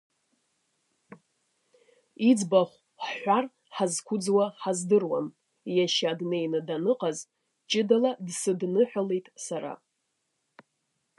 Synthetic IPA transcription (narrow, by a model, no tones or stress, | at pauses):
id͡zbaχʷ | ħħʷar | ħazkʷʰʊd͡zwaħazdɨrwa̰n | jaʃadnejnɨdanɨqʼaz | t͡ʃʼɪdaladsɨdnɨħʷᶣale̞jtʼsaɾa̰